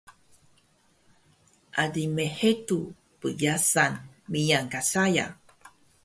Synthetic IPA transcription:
ʔadimeħetu | pəjasan | mijaŋkasaja̰

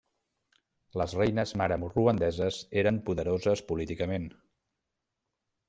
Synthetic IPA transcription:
ləzrɛjnəzmaɾəmuruənd̪ɛzəzeɾəmpuðəɾozəspulit̪ikəmen

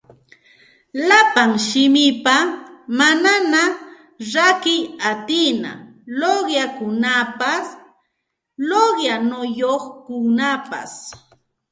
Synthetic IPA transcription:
lapaŋʃɪmɪpamanana | ɾakɪjat̪ɪna̰ | loɢjakʊnapas | loɢjanʊjoχkʊnapa̰s

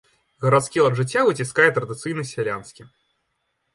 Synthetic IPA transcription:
ɣɐɾat̪skʲilˠɐʐɨt͡sʲːavɨt͡sʲiskajɛt̪ɾɐd̪ɨt̪sɨjnɐsʲvʲɛlʲanskʲi

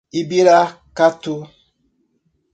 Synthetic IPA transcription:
ibiɾa | katu

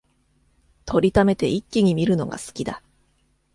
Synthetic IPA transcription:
t̪ʰo̞ɾʲit̪ame̞t̪e̞ʔikʲːiɲ̟imʲiɾɯ̟no̞̰ɡa̰sɨ̥kʲid̪a

